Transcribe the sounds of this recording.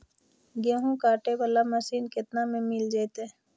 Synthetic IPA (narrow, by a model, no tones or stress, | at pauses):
ɡẽːɦũkaːʈebəlaməsiːnkɪt̪namẽmɪld͡ʒaːt̪e